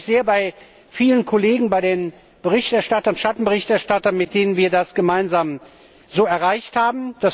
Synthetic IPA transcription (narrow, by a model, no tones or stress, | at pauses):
z̥eːɐbaɪ | fiːlənkʰɔleːɡŋ̩baɪɾeːn | b̥əʁɪçtɛɐʃtatɐʊnʃatn̩bəʁɪçtɛɐʃtatɐnmɪt̚d̥eːnənviːɐdasɡ̥əmaɪnzaːm | zoːɛɐʁaɪçthaːbm̩d̥as